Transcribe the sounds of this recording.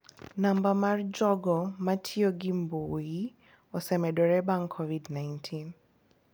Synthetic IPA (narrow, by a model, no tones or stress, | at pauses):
nambamard͡ʒɔɡɔmatʰiɔɡimboi | ɔsɛmɛɗɔɾɛbaŋkʰːɔvidnajntʰin